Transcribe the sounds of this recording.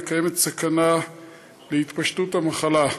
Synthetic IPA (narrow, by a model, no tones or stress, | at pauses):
kaje̞met̪sakana | leit̪paʃtut̪hamaχala